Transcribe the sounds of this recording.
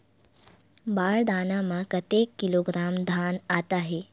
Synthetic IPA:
baːɭd̪ʱaːnamakət̪ekːiloɡɾaːmd̪ʱaːnat̪aːɦe

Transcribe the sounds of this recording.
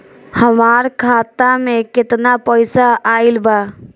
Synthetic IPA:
həmaːɾkʰaːt̪amẽkɪt̪napəɪsaʔaːɪlba

